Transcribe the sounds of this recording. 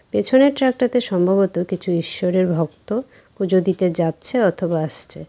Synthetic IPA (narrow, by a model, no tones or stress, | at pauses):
pet͡ɕʰoneɾʈɾak̚ʈat̪eʃɔmbʱaβot̪okit͡ɕʰuiʃːoɾeɾbʱɔk̚t̪o | pud͡ʑod̪it̪ed͡ʑatːɕʰeɔt̪ʰobaaʃt͡ɕʰe